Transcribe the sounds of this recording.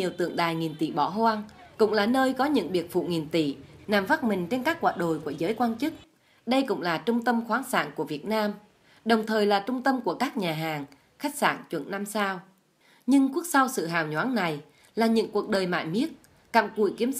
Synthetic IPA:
i˨˩əwt̪ɨ̰˧˨əŋɗaː˨˩jŋi˨˩nt̪ḭ˧˨ɓɔ̰˧˩hwaː˧ŋkʊ̰˧˥ŋ͡mlaː˨˩nəː˧jkɔ˨˦ɲɨ̰˧˥ŋɓi˨˩ət̚fṵ˧˨ŋi˨˩ənt̪ḭ˧˨naː˨˩mva˦˥t̚mï˨˩ŋ̟t͡ɕe˧nkaː˦˥k̚ːwa̰ː˧˨ɗo̰˧˨jku˧˩əzəː˨˦jkwaː˧nt͡ɕɨ˦˥t̚ | ɗə˧jkʊ̰˧˥ŋ͡mlaː˨˩t͡ɕʊ˧ŋ͡mt̪ə˧mxwaː˨˦nsa̰ː˧˨nku˧˩əvi˨˩ət̚naː˧m | ɗə˨˩wŋ͡mt̪ʰəː˨˩jlaː˨˩t͡ɕʊ˧ŋ͡mt̪ə˧mku˧˩əkaː˦˥k̚ɲaː˨˩ɦaː˨˩ŋ | xa˦˥k̚sa̰ː˧˩nt͡ɕwə̰˧˨nna˧msaː˧w | ɲɨ˧ŋku˦˥ək̚sa˧wsɨ̰˧˨ɦaː˨˩wɲwaː˨˦nna˨˩j | laː˨˩ɲɨ̰˧˥ŋku˨˩ək̚ɗəː˨˩jma̰ː˧˨jmi˦˥ət̚ | ka̰ː˧˨mkṵ˧˩˨jki˨˦əm

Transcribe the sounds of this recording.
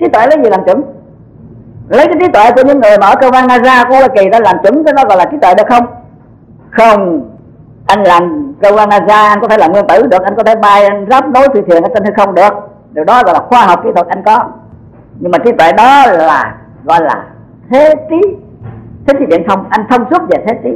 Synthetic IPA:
t͡ɕi˨˦˥t̪we˧˨lə˨˦jzi˨˩laː˨˩mt͡ɕɨ˧˦ŋ | lə˨˦jkaː˨˦jt͡ɕi˨˦˥t̪wḛ˧˨ku˧˩əɲɨ˧˥ŋːɨ˨˩əjmaː˨˩ʔəː˧˦kəː˧wvaː˧nːaː˧zaː˧ku˧əla˨˩ki˨˩za˧laː˨˩mt͡ɕɨ˨˧˥ŋkaː˨˦ɗɔ˨˦ɣɔ̰˧˨jlaː˨˩t͡ɕi˨˦t̪wḛ˧˨ɗɨ˨˩ək̚xə˧wŋ͡m | xə˧wŋ͡m | ʔa˧jŋ̟laː˨˩mkə˧wzaː˧nːaː˧zaː˧ʔa˧ŋkɔ˧˦t̪ʰe˧˩laː˨˩mŋwəŋt̪ɨ˧˩ɗɨ˨˩ək̚ʔa˧ŋ̟kɔ˨˦t̪ʰe˧˩ɓaː˧jʔa˧ŋzaː˦˥p̚ɗo˨˦jt̪ʰi˧˩t̪ʰi˨˩əŋa˧˦t͡ɕə˧nhʰa˧jxə˧wŋ͡mɗɨ˨˩ək̚ | ɗi˨˩əwɗɔ˨˦ɣɔ̰˧˨jlaː˨˩xwaː˧ɦɔ˨˩wk͡p̚kiː˨˦t̪ʰwə˨˩t̚ʔa˧jŋ̟kɔ˨˦ | ɲɨ˧ŋmaː˨˩t͡ɕi˨˦˥t̪wḛ˧˨ɗɔ˨˦laː˨˩ | ɣɔ̰˧˨jla̰ː˨˩ | t̪ʰe˨˦t̪i˨˦ | t̪ʰe˨˦t͡ɕ̪i˨˦˥ɓḭ˧˨ənt̪ʰə˧wŋ͡mʔa˧jŋ̟t̪ʰə˧wŋ͡msu˦˥t̚ve˨˩t̪ʰe˨˦t̪i˨˦

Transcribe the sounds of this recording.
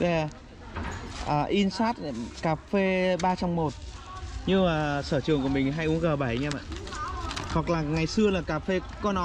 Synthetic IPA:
ve˨˩ | ʔəː˨˩ʔi˧nsaː˦˥t̚kaː˧˩fe˧ɓaː˧t͡ɕɔ˧wŋ͡mmo˨˩t̚ | ɲɨ˧maː˨˩səː˧˩t͡ɕɨ˨˩əŋku˧˩əmï˨˩ŋ̟ɦa˧jʔu˨˦əŋɣəː˨˩ɓa˧˩jɲɛː˧ma̰ː˧˨ | hwa˨˩k̚laː˨˩ŋa˨˩jsɨ˧əlaː˨˩kaː˧˩fe˧ | kɔ˨˦nɔ˨˦

